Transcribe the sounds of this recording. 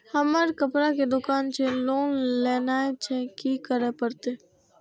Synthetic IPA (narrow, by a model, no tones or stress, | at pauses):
həməɾkəpɾaked̪ʊkaːnt͡ʃʰeloːnlɛːnaːet͡ʃʰɛkikəɾepəɾt̪eː